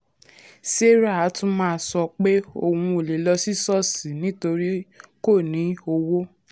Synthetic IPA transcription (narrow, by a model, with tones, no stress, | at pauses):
se˦ɾa˦˨a˨˦tũ˦mãː˦˧˨sɔ˧k͡pe˦o̰˨hũ˧o˨le˨lɔ˧si˦sɔ˦˨si˨˦nĩ˦to˧ɾi˦ko˦˨nĩ˨˦o˧wo˦